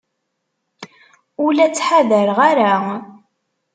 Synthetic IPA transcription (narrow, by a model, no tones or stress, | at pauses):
ʊlæt͡sːħaðəɾʁaɾa